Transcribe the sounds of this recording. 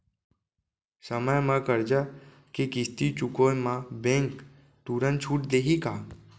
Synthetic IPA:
səməjmãkəɾd͡ʒa | kikɪst̪it͡ʃukomãbẽŋk | t̪uɾənt͡ʃʰuːʈd̪eːɦikaː

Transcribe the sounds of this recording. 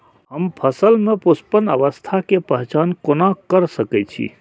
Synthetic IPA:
ɦəmpʰəsəlmepospənə̰ʋəst̪ʰakepəɦt͡ʃankonakəɾsəkɛt͡ʃʰḭ

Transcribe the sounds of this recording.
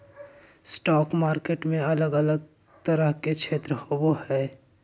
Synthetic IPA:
sʈɔːkmaːɾkeːʈmẽələɡələɡ̚ | t̪əɾəɦket͡ʃʰeːt̪ɾəhobohɛː

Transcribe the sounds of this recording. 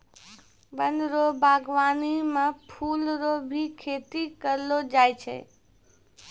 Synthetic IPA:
bənd̪ɾobʱaːɡʋaːnimãpʰuːlɾobʱikʰeːt̪ikəɾlod͡ʒaːjt͡ʃʰɛ̰

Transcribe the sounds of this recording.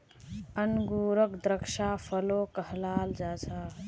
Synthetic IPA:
ənɡuɾəkd̪ɾəkʃapʰəlokəɦlaːld͡ʒat͡ʃʰa

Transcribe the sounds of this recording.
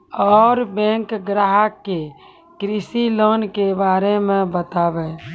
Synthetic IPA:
ɔːɾbɛ̃ːŋkɡɾaɦəkːe | kɾisiloːnkebaːɾemẽbət̪aːbɛ

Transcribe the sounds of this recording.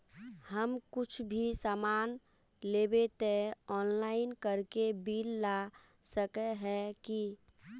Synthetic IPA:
həmkʊt͡ʃʰbʱisaːmaːn | leːbet̪eɔːnlaːɪnkəɾkebiːlːa | səkɛɦɛki

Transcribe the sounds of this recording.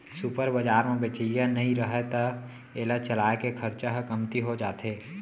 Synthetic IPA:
supəɾbəd͡ʒaːɾmẽbet͡ʃəjanəɦĩɾəɦɛt̪ə | eːlət͡ʃəlaːekekʰəɾt͡ʃaɦkəmt̪iɦod͡ʒaːt̪ʰeː

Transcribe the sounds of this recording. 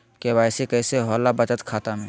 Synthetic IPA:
kebaːɪsekɛːseɦɔːlabət͡ʃət̪kʰaːt̪amẽ

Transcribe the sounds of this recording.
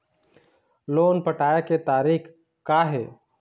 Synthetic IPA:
loːnpəʈaːjeket̪aːɾiːk | kːaːɦeː

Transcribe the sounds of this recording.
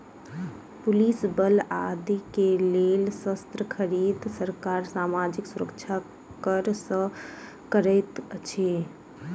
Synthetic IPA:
pulisbəla̰d̪ikelelsəst̪ɾəkʰəɾiːd̪səɾkaɾsaːmad͡ʒiksuɾəkt͡ʃʰa | kəɾsə̃ | kəɾəɪt̪t͡ʃʰe

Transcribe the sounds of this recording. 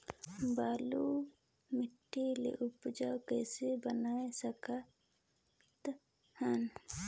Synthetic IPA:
baːlu | mɪʈːilḛʔʊpd͡ʒawkɛːsebənaːesəka | t̪ | hən

